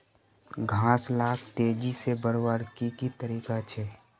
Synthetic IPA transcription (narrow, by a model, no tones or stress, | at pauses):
ɡʱãːslaːk̚ʰt̪eːd͡ʒisebəɽwaːɾkikit̪əɾiːkat͡ʃʰɛː